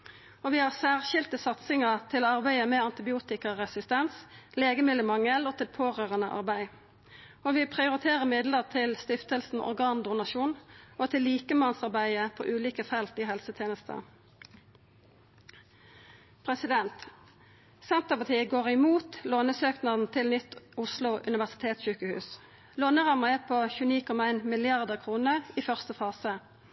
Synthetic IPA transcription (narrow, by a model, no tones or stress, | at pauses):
oːʋiːhɑːsæːʁʃɪlt̪əsɑt̪sɪŋəʁt̪ʰɪloːɑʁbæɪəmɛːɑnt̪ɪbɪuːt̪ɪkəʁɛsɪst̪ɛnsleːɡəmɪlːəmɑŋəloːt̪ʰɪlpʰoːʁøːʁənəʔɑ̰ʁbæɪ | oːʋɪpʰʁɪʊʁɪt̪ʰeːʁəʁmɪd̪ləʁt̪ʰɪlst̪ɪft̪əlsn̩ʔɔ̰ʁɡɑːnd̪ʊnɑʃuːnʔoːt̪ʰɪlːiːkəmɑnsɑʁbæɪəpʰo̰ːʔʉːliːkəfɛlt̪iːhɛlsət̪ʰjeːnəst̪ə̰ | pʰʁɛsɪd̪ɛnt̪ | sɛnt̪əʁpɑt̪ʰiːəɡoːʁɪmuːt̪loːnəsøːknɑd̪n̩t̪ʰɪlnʏt̪ʊslʊʔʉ̰nɪʋæʁsɪ̥t̪ʰeːt̪sçʉːkəhʉ̰ːs | loːnəʁɑməɛpʰoːçʉːəniːkʰɔmɑæɪnmɪlɪɑʁd̪əʁkʰʁuːnəiːfœʁst̪əfɑːsə